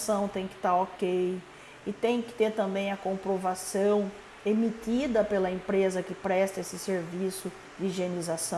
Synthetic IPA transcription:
sɐ̃w̃t̪ẽj̃kɪ̥t̪aɾokej | ɪt̪ẽj̃kɪ̥t̪eɾt̪ɐ̃mbẽj̃ɐkõpɾovasɐ̃w̃ | emit̪id̪ɐpelɐẽmpɾezɐkɪpɾɛst̪ɐesɪseɾvisʊ | d͡ʒɪiʒienizasɐ̃

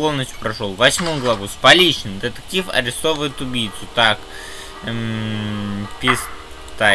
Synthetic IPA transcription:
olˠnət͡ɕʊ̥pɾɐʂolˠvɐsʲmomɡlˠɐvuspɐlʲiɕɪnəmd̪ət̪ə̥k̚tʲifɐ̰ɾʲɪst̪o̞vəjɪt̪ʊbʲijt̪sʊt̪ak | pʲɪs | t̪a

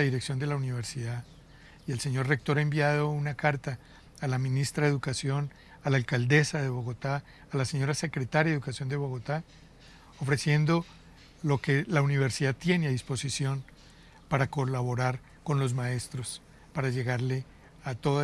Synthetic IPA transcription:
aðiɾeksjo̞nd̪elauniβ̞e̞ɾsiða | ielse̞ɲo̞ɾre̞k̚t̪o̞ɾaembjað̞o̞unakaɾt̪aː | lamĩnist̪ɾaðe̞ðukasjo̞n | alaelkald̪e̞saðe̞βo̞ɣo̞t̪aː | lase̞ɲo̞ɾase̞kɾe̞t̪aɾjaukasjo̞nd̪e̞βo̞ɣo̞t̪a | ofɾe̞sje̞nd̪o̞ | lo̞ke̞launiβ̞e̞ɾsiðat̪je̞neaðispo̞sisjo̞n | paɾako̞laβo̞ɾaɾ | ko̞nlo̞zmae̞st̪ɾo̞s | paɾaʝe̞ɣaɾle̞ | at̪o̞ða

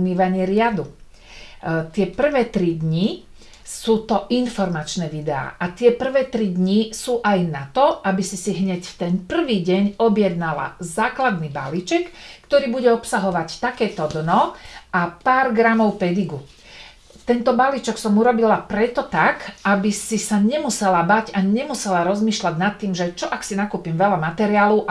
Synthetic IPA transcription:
ɲiːʋaɲɪɛɾɪad̪u | t̪ɪɛpr̩ʋɛːt̪ɾid̪ɲi | suːt̪ɔʔinfɔɾmat͡ʃnɛːʋid̪ɛa̰ːʔat̪ɪɛpr̩ʋɛːt̪ɾid̪ɲisuːʔajnat̪ɔabisisiɦɲɛcft̪ɛnpr̩ʋiːɟɛɲɔbjɛd̪nala̰zaːklad̪niba̰lit͡ʃɛkːt̪ɔɾiːbuɟɛɔpsaɦɔʋact̪akɛːt̪ɔd̪nɔapaːɾɡɾamɔʊpɛd̪iɡu | t̪ɛnt̪ɔbalit͡ʃɛksɔmuɾɔbilapɾɛt̪ɔt̪akabisisaɲɛmusɛlabaɟaɲɛmusɛlaɾɔzmiːʃlaɟnat̪ːiːmʒɛt͡ʃɔʔaksinakuːpimʋɛlamat̪ɛɾiaːlɔʊ

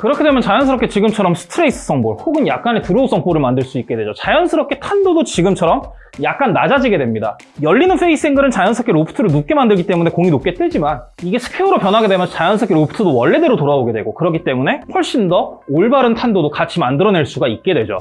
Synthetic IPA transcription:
kɯɾʌkʰe̞dwe̞mjʌt͡ɕajʌns̬ʰɯɾʌpket͡ɕiɡɯmt͡ɕʰʌɾʌmsʰɯ̥tʰɯɾeis͈ʰɯ̥s͈ʰʌŋboɭhoɡɯnjak̚k͈anetɯɾoosʰʌŋpʰoɾɯɭmandɯɭs͈uik͈e̞dwed͡ʑot͡ɕajʌnsʰɯɾʌp̚k͈e̞tʰandodot͡ɕiɡɯmt͡ɕʰʌɾʌm | jak̚k͈anːad͡ʑad͡ʑiɡe̞dwe̞mɲida̰ | jʌʎːinɯnɸʰeis͈ʰeŋɡɯɾɯnt͡ɕajʌnsʰʌkʰeɾopʰɯ̥tʰɯɾɯɭnup̚k͈e̞mandɯɭɡit͈e̞mune̞koŋinop̚k͈e̞t͈wed͡ʑimaniɡe̞sʰɯ̥pʰeuɾopjʌnɦaɡe̞dwemjʌnt͡ɕajʌnsʰʌk͈ʰeɾopʰɯ̥tʰɯdowʌɭːe̞de̞ɾotoɾaboɡe̞dwe̞ɡokɯɾʌkit͈e̞mune̞hwʌɭɕ͈indʌoɭbaɾɯntʰandodokat͡ɕʰimandɯɾʌneɭs͈uɡaik̚k͈e̞dwe̞d͡ʑo̰

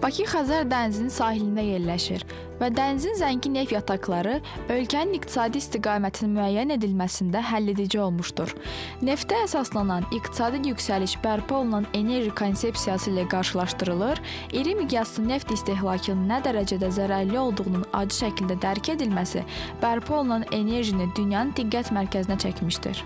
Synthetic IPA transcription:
b̥ɑcʰixæzæɾd̪ænzinsɑːɦilind̪æje̞ɾlæʃiɾ | væd̪ænzinzæɲɟine̞fjɑt̪ʰɑklˠɑɾɯø̞lcʰæninikt̪ʰi̥sɑːd̪iist̪iɡɑːmæt̪ʰinmyæjːæne̞d̪ilmæsind̪æɦælːed̪id͡ʒio̞lˠmuʃd̪uɾ | ne̞ft̪æːsɑslˠɑnɑnikt̪ʰi̥sɑːd̪ijycsæliʃbæɾpʰio̞lˠunɑne̞ne̞ɾʒikʰo̞nse̞psijɑsɯilæɡɑɾʃɯlˠɑʃt̪ɯɾɯlˠɯɾ | iɾimiɡ̪ijɑsɯne̞ft̪ist̪eɦlˠɑːcʰɯnɯnːæd̪æɾæd͡ʒæd̪æzæɾæɾlio̞lˠd̪uʁununɑ̰d͡ʒɯʃæcʰild̪æd̪æɾcʰe̞d̪ilmæsḭb̥æɾpʰio̞lˠunɑne̞ne̞ɾʒinid̪ynjɑnɯnd̪iɡːæt̪mæɾcʰæzinæt͡ʃʰæcmiʃt̪ḭɾ̥

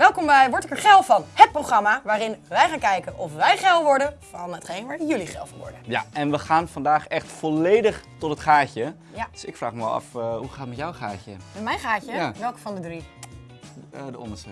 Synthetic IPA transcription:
ʋɛlˠkɔmbɛjʋɔɹtɪkəɹχɛlˠfɑnhət̚prowxrɑmaʋaːɾɪnʋɛjχaːnkɛjkənʔɔfʋɛjχɛlˠʋɔɹdənfɑnətχejnʋaːɹɪnjɵliχɛ̰lˠfɔnʋɔ̰ɹdəjaɛnʋəχaːnfandaːχɛxtfɔleːdəχtɔtətχaːcə | dsɪkfraːxməʋɛlˠɑ̰fhuχaːtətmɛtjawχa̰ːcə̰mɛtmɛjnχaːcəʋɛlˠkəfɔndədri | dəɔ̰ndəsə

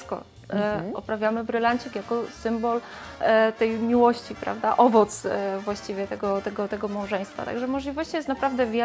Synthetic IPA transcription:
kɔ̰ | ɔpɾavʲjamɘbɾɘlaɲt͡ɕikjakɔsɘmbɔl | t̪ɛjmʲiwɔɕt͡ɕipɾa̰vd̪aʔɔvɔt̪svwaɕt͡ɕivʲjɛt̪ɛɡɔt̪ɛɡɔt̪ɛɡɔmawʐɛ̃j̃st̪fa̰t̪a̰ɡʐɛmɔʐlʲivɔɕt͡ɕijɛst̪napɾavd̪ɛvʲjɛ

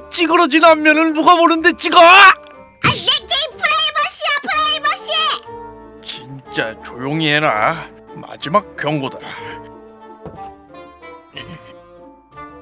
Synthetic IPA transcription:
t͡ɕ͈iɡɯɾʌd͡ʑinammjʌnɯnmuɡamonɯnde̞t͡ɕ͈iɡʌ | aːek͈eipʰɯɾebʌɕiapʰɯɾebʌɕi | t͡ɕint͡ɕ͈at͡ɕojoŋiɦeɾa | ma̰d͡ʑimak̚k͈jʌŋɡoda | e

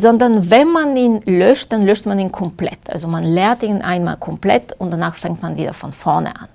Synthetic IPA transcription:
zɔndɐnvɛnmaniːnlœʃt̚d̥anlœʃtmaniːnkʰɔmplɛ̰tʔa̰lzomanlɛːɐtiːnʔaɪnma̰ːllkʰɔmplɛ̰tʊntd̥anaːxfɛŋktmanviːdɐ̰fɔnfɔɐnə̰ʔa̰n

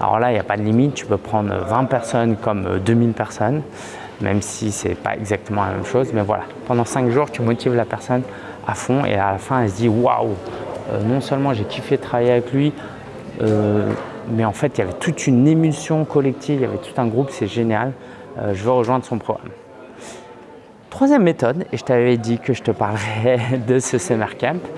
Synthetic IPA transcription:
a̰lɔ̰ʁlailjapad̪əlimit̪̚ːy̥pøpχɑ̃d̪ʁø̰vɛ̃pɛʁsɔnkɔmø̰d̪ømilpɛʁsɔn | mɛ̰msisɛ̰pa̰ɛ̰ɡzak̚t̪əmɑ̃lamɛ̰mʃozmɛvwa̰la̰ | pɑ̃d̪ɑ̃sɛ̃kʒuːʁt̪ymɔt̪ivlapɛʁsɔn | afɔ̃ḛalafɛ̃ɛls̬d̪iwa̰wø̰nɔ̃sœlmɑ̃ʒekʲʰifɛt̪χavajeavɛklɥi | ø | mɛɑ̃fɛt̪javɛt̪ut̪ynemysjɔ̃kɔlɛk̚t̪ʰivja̰vɛt̪ʰu̥t̪ɛ̃ɡʁupsɛʒenjal | ø̰ʒəvəʁəʒwɛ̃d̪ʁəsɔ̃pχɔɡʁa̰m | t̪χwazjɛmːet̪ɔd̪eʒə̥t̪avɛd̪ikəʒət̪əpaʁlʁɛd̪əsəsɛmɛʁkʲɛ̃mp

